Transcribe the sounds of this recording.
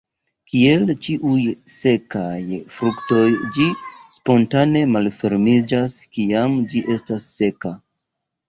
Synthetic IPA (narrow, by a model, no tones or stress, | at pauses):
kie̞lt͡ʃiʔujse̞kajfɾukto̞jd͡ʒispo̞ntane̞malfe̞ɾmid͡ʒaskiamd͡ʒiʔe̞stasːe̞ka